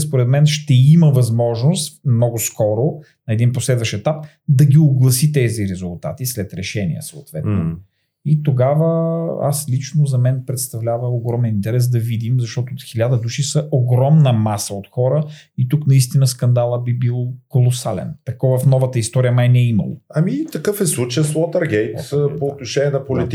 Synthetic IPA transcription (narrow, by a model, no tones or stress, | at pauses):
spoɾɛd̪mɛnʃt̪ɛiməvɐzmɔʒnost̪mnɔɡʊskɔɾo | nɐɛd̪inposlɛd̪vɐʃɛt̪ap | d̪ɐɡʲioɡlˠɐsit̪ɛziɾɛzʊlˠt̪a̰t̪islɛt̪ɾɛʃɛnḭə̰soːt̪vɛt̪no | it̪oɡavəa̰slit͡ʃnozɐmɛnpɾɛt̪st̪ɐvlʲavəoɡɾɔmɛnint̪ɛɾɛs̬d̪ɐvid̪imzɐʃt̪ɔt̪ʊoxilʲad̪əd̪uʃisəʔoɡɾɔmnəmasəot̪xɔɾəit̪uknɐist̪inəskɐnd̪alˠəbibilˠkolˠosalɛ̰nt̪ɐkɔvɐfnɔvət̪əist̪ɔɾijəmajnɛimɐ̰lˠo̰ɐmit̪ɐkɤfɛslˠut͡ʃəjəswɔt̪əɾɡɛjt̪ːpoːt̪̚noʃɛnʲiɛnɐpolit̪